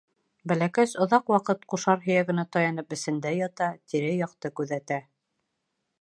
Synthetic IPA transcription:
bælækæʃŏðɑqwɑqɤt̪̚quʃɑɾɦɵ̆jæɡɘ̆næt̪ɑjɑn̪ɤpɘ̆sɘ̆nd̪æjɑt̪ɑt̪iɾɘjɑqt̪ɤkʉðæt̪æ

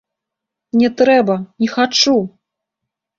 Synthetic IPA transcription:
nʲɛt̪ɾɛbɐnʲɛxat͡ʂu

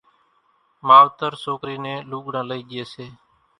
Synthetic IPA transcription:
maːʋt̪əɾsoːkɾiːnẽːluːɠɳãːləiːɗɪeːseː

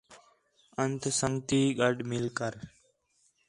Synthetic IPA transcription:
ənt̪səŋɡt̪iːɠəɖmɪlkəɾ

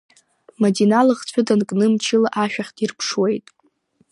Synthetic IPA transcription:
madinalɨχt͡ɕʷʰʊdankʼnɨmt͡ʃʰɪlaʔaʃᶣaχʲtʰʼirpʰʂwe̞jtʼ

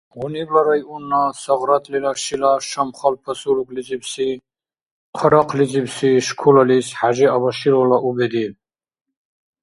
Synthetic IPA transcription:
ʁuniblaɾajʔunːasaʁɾat̪ʼlilaʃilaʃamχalpʰasulukʼlit͡sʼibsi | qʰəɾaqʰlit͡sʼipsiʃkʰulalisħaʒiabaʃiɾɔlaʔubɛd̪i

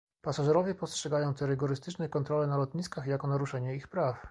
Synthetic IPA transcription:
pasaʐɛɾɔvʲjɛpɔstʂɛɡajɔ̃w̃t̪ɛɾɘɡɔɾɘst̪ɘt͡ʂnɛkɔnt̪ɾɔlɛnalɔt̪ɲiskaxjakɔnaɾuʂɛɲɛixpɾaf

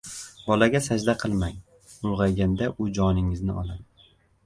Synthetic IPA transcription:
bɒlaɡʲasad͡ʒd̪aqʰɨlˠmaŋ | ʊlʁɑjɡʲand̪aʔʊd͡ʒɒnɪŋɪznɪ̰ɒlˠad̪

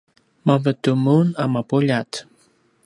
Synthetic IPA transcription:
mavət̪umunamapuʎat̪

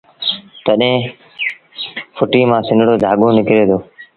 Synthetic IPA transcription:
t̪əɗɦẽː | fʊʈiːmãːsɪ̃nɽoːd̪ʱaːɠõːnɪkɪɾeːt̪ʰoː

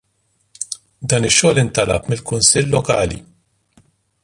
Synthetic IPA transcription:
d̪ɐːnɪʃːɔːlɪnt̪ɐlɐ̰pmɪlkʊnsɪlːɔkɐːlḭ

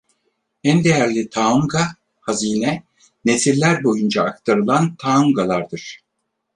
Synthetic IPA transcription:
ænd̪e̞jæɾlʲit̪ʰaːumɡa | haziːnɛ | ne̞sillːʲæɾbo̞jund͡ʒaːk̚t̪ʰaɾɯlˠant̪ʰaːumɡalˠaɾd̪ɯɾ̥

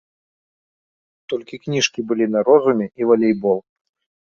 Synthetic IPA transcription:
t̪ɔlʲkʲiknʲiʂkʲibɨlʲinɐɾɔzumʲɛivalʲejbɔlˠ

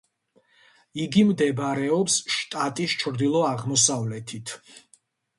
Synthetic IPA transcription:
iɡimd̪ɛbɾɛɔpsʃt̪ʼat̪ʼist͡ʃʰɾd̪ilˠɔaʁmɔsavlɛt̪ʰit̪ʰ

